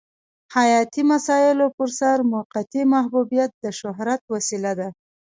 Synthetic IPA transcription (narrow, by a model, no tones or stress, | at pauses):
hajɑt̪imasɑɪlopəɾsaɾmʊqat̪imaɦbubijat̪̚d̪əʃʊɦɾat̪̚wasilad̪a